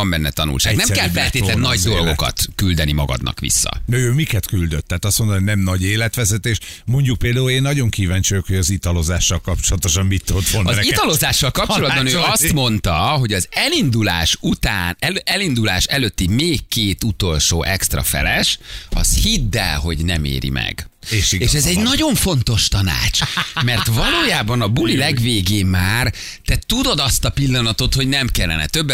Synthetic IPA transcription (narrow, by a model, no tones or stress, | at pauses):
ɒmbɛnːɛt̪ɒnṵlʃa̰nɛmkɛlfɛlt̪eːt̪lɛnːɒɟd̪o̞lɡo̞kɒ̰t̪kyld̪ɛnimɒɡɒ̰d̪nɒ̰kʋḭsːɒ̰d̪ɛøːmikɛt̪kyld̪øt̪ːɛːt̪ɒst̪mond̪ononɛmnɒɟeːlɛt̪ʋɛzɛt̪eːʃmo̞ɲɟuk̚peːld̪aːuleːnːɒɟo̞ŋkiːvaːɲt͡ʃøjokho̞ɟɒzit̪ɒlozaːʃːɒlkɒpt͡ʃolɒt̪oʃɒmmit̪ːot̪fonɒzit̪ɒlo̞zaːʃːɒlkɒpt͡ʃo̞lɒd̪bɒnøːɒst̪mo̞nt̪ɒɦo̞ɟɒzɛlind̪ulaːʃut̪aːnɛɛlind̪ula̰ːʃɛløːt̪ːimeːkːeːt̪ut̪o̞lʃoːʔɛkst̪rɒ̰fɛ̰lɛʃɒ̰shid̪ːɛ̰lɦo̞̰ɟnɛmḛːɾḭmɛ̰ɡ | ʃieːʃɛzɛɟnɒɟo̞ɱfo̞nt̪o̞ʃt̪ɒna̰ːt͡ʃmɛrt̪vɒloːjaːbɒnɒbulilɛɡʋeːɡeːmaːr | t̪ɛt̪ud̪o̞d̪ɒst̪ɒpilːɒnɒt̪o̞t̪ho̞ɟnɛmkɛlːɛ̰nɛ̰t̪ø̞bːɛ